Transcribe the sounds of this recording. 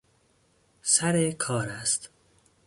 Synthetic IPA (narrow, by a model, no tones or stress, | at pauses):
sæɾekʰɒːɾæst̪